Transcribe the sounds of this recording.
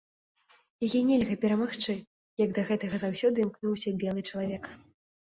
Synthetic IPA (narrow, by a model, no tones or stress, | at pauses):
jajɛnʲɛlʲɣɐpʲɛɾɐmaxt͡ʂɨ | jɐɡd̪ɐɣɛt̪ɐɣɐzawsʲɔd̪ɨmknuwsʲɐbʲɛlˠɨt͡ʂɐlˠavʲɛk